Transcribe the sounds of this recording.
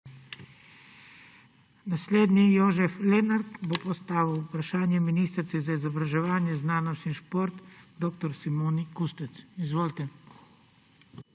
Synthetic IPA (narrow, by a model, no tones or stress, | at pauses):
nasleːd̪nijoːʒɛflɛnaɾt̪bopɔst̪aːʋiwpɾaʃaːnjɛminiːst̪ɾt̪sizaizɔbɾaʒɛʋaːnjɛznaːnɔst̪inʃpoɾt̪d̪oːk̚t̪ɔɾsimoːnikust̪ɛt̪sizʋoːlt̪ɛ